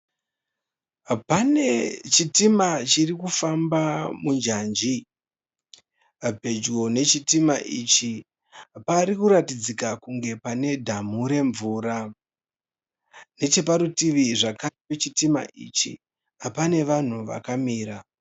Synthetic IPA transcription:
pane̞t͡ʃitimat͡ʃirikufambamund͡ʒaːnd͡ʒi | bʱe̞d͡ʒɡo̞ne̞t͡ʃitimaʔit͡ʃi | paɾikuɾatid͡zikakuŋɡe̞pane̞dʱam̤uɾe̞ɱvuːra | ne̞t͡ʃe̞paɾutiʋiʐakaipet͡ʃitima̰ʔḭt͡ʃḭ | apane̞ʋan̤uʋa̰kamiːɾa

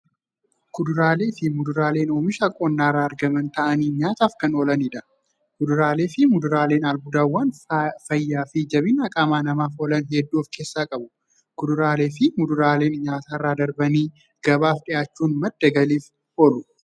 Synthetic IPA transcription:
kʊd̪ʊɾaːle̞ːfɪmʊd̪ʊɾaːle̞ːnoːmɪʃɐkʼoːnːaːrːaːɐɾɡɐmɐnt̪ɐʔɐniːɲaːt̪aːfkɐnoːlɐniːᶑ̪ɐ | kʊd̪ʊɾaːle̞ːfɪmʊd̪ʊɾaːle̞ːnɐlbʊd̪aːwːaːnfɐjːaːfɪd͡ʒɐbɪnɐkʼaːmaːnɐmaːfoːlɐnɦɛd̪ːuːfke̞ːsːaːkʼɐbʊ | kʊd̪ʊɾaːle̞ːfɪmʊd̪ʊɾaːle̞ːnɲaːt̪aːrːaːd̪ɐɾbɐniː | ɡ̥ɐbaːfᶑɪjaːt͡ʃːuːnmɐd̪ːɐɡɐliːf | oːlʊ

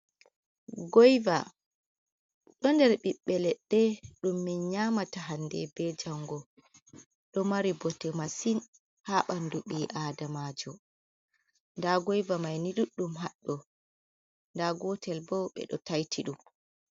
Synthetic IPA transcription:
ɡɔjva̰ | ɗɔndɛɾɓiɓːɛlɛɗːɛɗumːinɲaːmataɦandɛ̰bɛd͡ʒaŋɡɔ | ɗɔmaɾibɔtɛmasin | haːɓanduɓiːʔaːdamaːd͡ʒɔ | ndaɡɔjvamajniɗuɗːumɦaɗːɔ | ndaɡɔtɛlbɔwɓɛ̰ɗɔ̰tajtʰiɗum

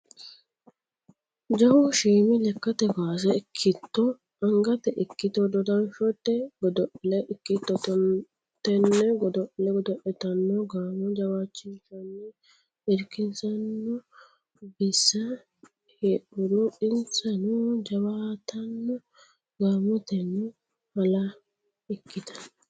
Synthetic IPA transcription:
d͡ʒɐwʊʃiːmɪlɛkːɐt̪ɛɡaːs̬ɛɪkʰːɪt̪ːɔ | ɐŋɡɐt̪ɛʔɪkːɪt̪ɔd̪ɔd̪ɐnʃɔt̪ːɛɡɔd̪ɔʔlɛʔɪkːɪt̪ːɔt̪ | t̪ːɛnːɛɡɔd̪ɔʔlɛɡɔd̪ɔʔɛt̪ɐnːɔɡaːmʊd͡ʒɐwaːt͡ʃːinʃɐnːɛ | ɪɾkɪnzɐnːɔ | bɪsːɐ | heːʔʊd̪ɔɪnt͡sɐnɔd͡ʒɐwaːt̪ɐnːɔ | ɡaːmɔt̪ɛnːɔ | mɐlɐ | ɪkːɪt̪ɐ̥nː

